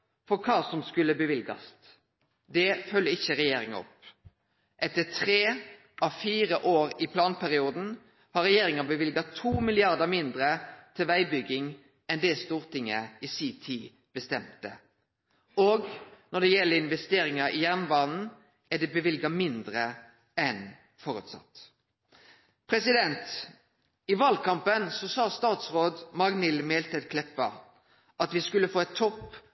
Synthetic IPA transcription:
fɔɾkʰɑːsɔmskʉlːəbəʋɪlɡɑ̰st̪ | d̪ɛfœlːəɪçəɾɛjeːɾɪŋɑ̰ɔ̰p | ʔɛt̪ət̪ʰʁeː | ʔɑʋfiːɾəʔoːɾɪpʰlɑːnpʰæʁɪuːd̪n̩ | hɑɾɛjeːɾɪŋɑbəʋɪlɡɑt̪ʰuːmɪlɪɑʁd̪əmɪnd̪ɾət̪ʰɪlʋæɪbʏɡɪŋ | ʔɛnd̪ɛst̪uːʁt̪ɪŋːəɪsiːt̪ʰiː | b̥əst̪ɛmt̪ə̰ | oːɡnɔd̪ɛjɛlːəɪnʋɛst̪eːɾɪŋɑʔɪjæʁnʋɑːnn̩ | æd̪ɛbəʋɪlɡɑmɪnd̪ʁə | ɛn | fɔɾʉ̰ːt̪sɑ̰t̪ː | pʰʁɛsɪd̪ɛnt̪ | ɪʋɑːlkʰɑmpənsɔsɑːst̪ɑːt̪sʁoːd̪mɑɡnɪlmeːlt̪ʰɛd̪kʰlɛpːə | ʔɑt̪ʋɪskʉləfoːɛt̪ʰːɔpː

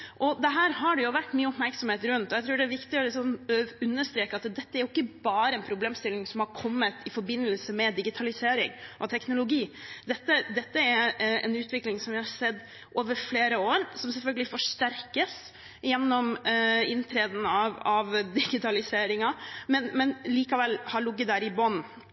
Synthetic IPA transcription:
ʔɔd̪ɛɦæːɾhɑɖɛjʊʋæʈːmyːəɔpmæɾksɔmheːt̪ɾʉnt̪ɔjæɪt̪ɾʉːɖɛæɾʋɪkt̪ɪɔlɪsɔnʉnːəʂt̪ɾeːkɑt̪d̪ɛt̪ːəæɾjʊɪkːəbɑːɾəɛnpʰɾʊbleːmst̪ɪlːɪŋsɔmhɑɾkʰɔmːət̪ʰɪfɔɾbɪnːəlsəmɛd̪ɪɡɪt̪ʰɑlɪseːɾɪŋʔɔt̪ʰɛknʊlʊɡiːd̪ɛt̪ːəd̪ɛt̪ːəæɾɛ̰nʉːt̪ʋɪklɪŋsɔmʋɪhɑɾsɛd̪ː | ʔoːʋəɾfleːɾəoːɾsɔmsɛlfœlɡəlɪfɔʂt̪æɾkəs | jɛnːɔmɪnt̪ʰɾeːd̪n̩ɑʋɑʋd̪ɪɡɪt̪ʰɑlɪseːɾɪŋɑmɛnmɛnliːkɑʋɛlːhɑɾɭʊɡːət̪ːæːɾɪbɔn

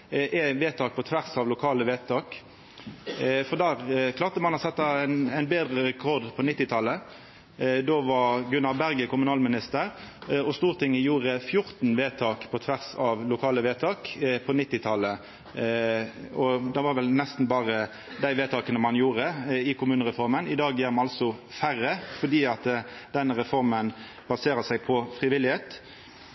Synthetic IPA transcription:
ʔɛʋeːt̪ʰɑːk̚pʰɔt̪ʰʋæʁsɑʋlʊkʰɑːləʋeːt̪ʰɑːk | fɔʁd̪æːʁkʰlɑːʁt̪əmɑnɔsɛt̪ːɑnæɪnbeːd̪ʁəʁɛkʰɔʁd̪pʰɔnɪt̪ːɪt̪ʰɑlːə | d̪oːʋɑɡʉnɑʋbæʁɡəkʊmʉnɑːlmɪnɪst̪əʁɔst̪uːʁt̪ʰɪŋːəjuːʁəfjʊʁt̪n̩ʋeːt̪ʰɑːkpʰɔt̪ʰʋæʁsɑʋlʊkʰɑːləʋeːt̪ʰɑːkpʰɔnɪt̪ːɪt̪ʰɑlə | ɔd̪ɑʋɑɾʋɛlnɛst̪n̩bɑːʁə | d̪æɪʋeːt̪ʰɑːkənəmɑnjuːʁəɪkʰʊmʉːnəʁɛfɔʁmənɪd̪ɑːɡjæɾmɑnɑlsɔfærːəfɔd̪iːɑt̪d̪̥ɛnəʁɛfɔʁmən | b̥ɑseːɾəsæɪpʰɔfʁɪʋɪlɪheːt̪

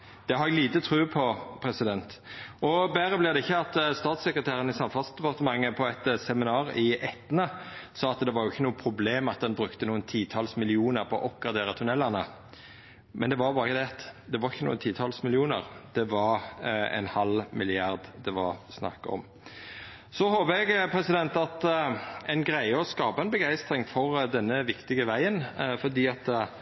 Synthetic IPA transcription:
d̪̥ɛhɑɾɛɡliːt̪ət̪ʰʁʉːpʰɔpʰɾɛsɪd̪ɛnt̪ɔbæːɾəblɪʁd̪ɛɪçːəɑt̪st̪ɑːt̪sɛkɾət̪ʰæːɾənɪsɑmfʊnsd̪ɛpɑʁt̪əmɑŋːəpʰɔɛt̪sɛmɪnɑːʁɪʔɛt̪ːənəsɑːɑt̪d̪ɛʋɑɾjʊɪçːənuːəpʰɾʊbleːmɑt̪̚d̪ɛnbɾʉkt̪ənuːənt̪ʰiːt̪ʰɑːlsmɪlɪuːnəɾpʰɔɔ̰ʔɔp̚ɡɾɑd̪eːʁət̪ʰʉnɛlːɑʁnə | mʔɛnd̪ɛʋɑbɑːɾɪçəd̪ɛɑt̪d̪ɛʋɑɾɪçːənṵːənt̪ʰiːt̪ʰɑlsmɪlɪuːnəʁd̪̥ɛʋɑɾɛ̰nhɑlmɪlɪɑʁd̪d̪ɛʋɑsnɑ̰kːɑɔ̰m | sɔhoːbəɛɡpʰɾɛsɪd̪ɛnt̪ɑt̪ɛɪnɡɾæɪəɔskɑːpɑɛnbəɡæɪst̪ɾɪŋfɔʁd̪ɛnːəʋɪkt̪ɪɡəʋæɪənfɔʁd̪iːɑt̪

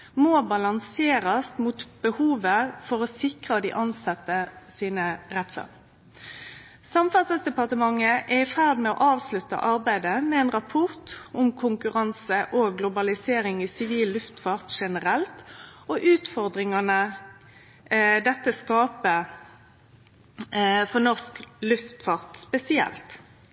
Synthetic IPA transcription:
moːbɑlɑnseːɾɑst̪muːt̪b̥əhuːʋəfɔʁɔsɪkʁɑd̪ḭːʔɑnsɑt̪ːəsiːnəʁɛt̪sɑ̰n | sɑmfɑt̪səsd̪ɛpɑʁt̪əmɑŋːəʔæɪfæʁd̪mɛɔ̰ːʔɑːʋslʉt̪ə̰ʔɑʁbæɪd̪əmɛɛːnʁɑpʰɔʁt̪ʊmkʰʊŋkʉʁɑnsəʔoɡlʊbɑlɪseːɾɪŋisɪʋiːlːʉft̪fɑʁt̪ʃɛnəɾɛlt̪ɔʔʉːt̪fɔʁd̪ʁɪŋɑnə | d̪ɛt̪ːəskɑːpə | fɔʁnɔʁsklʉft̪fɑʁt̪spɛsɪɛ̰lt̪

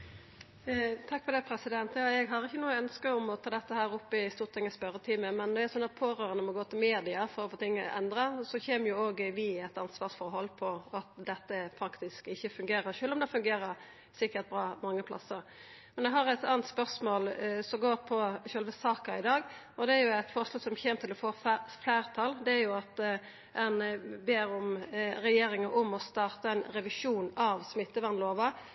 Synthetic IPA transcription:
t̪ʰɑkːpfɔd̪ɛpʰɾɛsɪd̪ɛnt̪jɑːɛɡɦɑʁɪçːənuːəœnskəʊmɔt̪ʰɑːd̪ɛt̪ːəhæːɾʊpːɪst̪uːʁt̪ʰɪŋːəspœɾət̪ʰiːməmɛnːɔæɾsɔnːɑt̪̚pʰoːɾøːɾənəmɔɡoːt̪ʰɪlmeːd̪ɪɑfɔɾɔfoːt̪ʰɪŋːəʔɛnd̪ɾɑsɔçeːməjʊoːɡʋɪɛt̪ɑnsʋɑːʁsfɔʁhɔlːpʰɔɑt̪d̪ɛt̪ːəpʰɾɑkt̪ɪskɪçːəfʉŋɡeːɾəʃøːlɔmd̪ɛfʉŋɡeːɾəɾ | sɪkːəʁt̪̚bɾɑːmɑŋːəpʰlʔɑ̰səɾ | mɛnjɛɦɑɾɛt̪ɑːnt̪spœʁsmoːlsɔmɡoːɾpʰɔʃœlʋəsɑːkəɪd̪ɑːɡ | ɔd̪ɛæɾjʊæt̪fɔʁʂlɑːsɔmçeːmt̪ʰɪlɔfoːfflæːʁt̪ʰɑld̪ɛæɾjʊɑt̪ | ɛnbeːɾʊmɾɛjeːɾɪŋɑʔɔmɔst̪ɑːʁt̪əɛnɾɛʋɪʂuːnɑʋsmɪt̪ːəʋɑnloːʋɑ

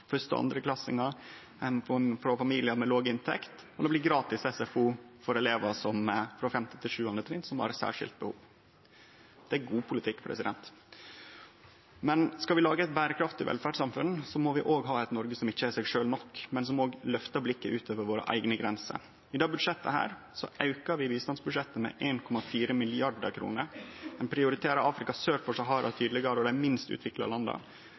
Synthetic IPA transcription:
fœst̪ə̰ɑ̰nd̪ɾəklɑsɪ̰ŋɑɾ | fɾɔfɑmiːlɪəmɛloːɡɪnt̪ʰɛ̰kt̪ɔd̪ɛbliːɡɾɑːt̪ɪsɛsɛfuːfɔɾɛleːʋəsɔmfɾɔfɛmt̪ɪ̥t̪ʰɪlʂʉːhʉnd̪ət̪ʰɾɪnt̪sɔmʋɑ̰ɾɛt̪sæ̰ːʂɪ̰lt̪̚bəhṵːʋ | d̪̥ɛæɡuːpʰʊlɪt̪ʰɪkːpʰɾɛ̰sɪd̪ɛ̰nt̪ | mɛnskɑʋɪlɑːɡəɛt̪bæːɾəkʰɾɑft̪ɪʋɛ̰lfæɖsɑmfʉnsɔmoːʋɪʔoːɡɦɑːɛt̪nɔɾɡəsɔmɪçːəæsɛɡʂøːlnɔkːmɛnsɔmoːɡlœft̪əblɪkːəʔʉːt̪ʰoːʋəʋoːɾə̰ʔæ̰ɪɡnəɡɾɛnsə̰ | ɪd̪ɑːbʉd̪ʂɛt̪ːəhæ̰ːɾ | sɔ̰ʔɑʉkəɾʋɪʋiːst̪ɑnsbʉd̪ʂɛt̪ːəmɛ̰ʔeːnkʰɔmɑfiːɾəmɪlɪɑɖəɾkʰɾṵːnəɾɛnpʰɾɪʊɾɪt̪ʰeːɾəɑːfɾɪkɑsøːɾfɔʂæɦɑːɾɑt̪ʰyːd̪lɪɡɑɾəɔd̪æmɪnst̪ʉ̰ːt̪ʋɪklɑ̰lɑnd̪ɑ̰

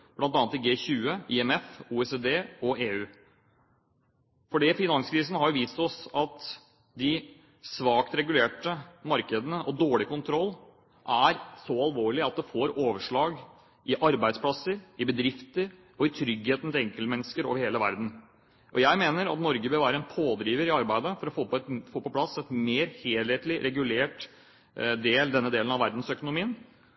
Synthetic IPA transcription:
b̥lɑnt̪ɑːnɑt̪ɪɡeːçʉːəɪɛmɛfuːɛseːd̪eːɔʔeːʉː | fɔɖifɪnɑnskʰɾiːsənəhɑɾjʊʋiːst̪ɔsɑt̪ | d̪ɪ | sʋɑːkt̪ɾɛɡʉleːʈəmɑɾkəd̪ənəʔɔd̪oːɭɪkʊnt̪ʰɾɔlː | ʔæɾsɔɑlˠʋoːɭɪɑt̪̚d̪ɛfoːɾoːʋəʂɭɑːɡ | ʔɪʔɑɾbæɪd̪spʰlɑsːəɾɪbəd̪ɾɪft̪əɾ | ɔɪt̪ʰɾʏɡheːt̪n̩t̪ʰɛɛŋkəlt̪mɛnːəskəɾo̰ːʋəɾheːləʋæ̰ɾd̪n̩ | ʔɔjæɪmeːnəɾɑ̰t̪nɔɾɡəbəɾʋæːɾəɛnpʰoːd̪ɾiːʋəɾɪɑɾbæɪd̪əfɔɾɔfoːpt̪foːpɔpʰlɑsɛt̪meːɾheːlheːt̪lɪɾʔɛɡʉleːʈ | d̪eːld̪ɛnːəd̪eːlən̩ɑʋæɾd̪n̩sœkʊnʊmiːn

